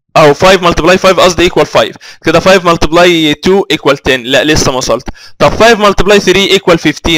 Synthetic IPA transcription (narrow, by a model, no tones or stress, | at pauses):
ʔæwefɑjvmɑlt̪eblɑjfɑjvʔɑsˤd̪iʔeːkwælfɑjvked̪æfɑjvmɑlt̪eblɑjt̪uːʔekwælt̪æːnlæʔlesːæmæsˤɑlt̪t̪ˤɑbfɑjvmɑlt̪eblɑjθɾiːʔekwælfeft̪iː